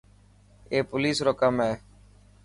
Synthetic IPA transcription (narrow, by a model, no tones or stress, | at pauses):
eːpʊliːsɾoːkəmɦeː